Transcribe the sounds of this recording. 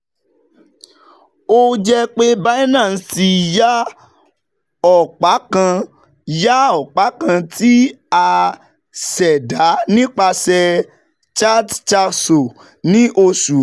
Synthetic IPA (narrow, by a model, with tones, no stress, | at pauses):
o˦d͡ʒɛ˦k͡pe˦ba˦i˦nã˦˨n̩˦ti˧ja˦ | ɔ˦˨k͡pa˨˦kã˧ | ja˦ɔ˦˨k͡pa˨˦kã˧ti˦a˧ | sɛ˨da˨˦nĩ˦k͡pa˧sɛ˧ | t͡ʃa˦dt͡ʃa˧so˨ | nĩ˦ʔo˧su˨˦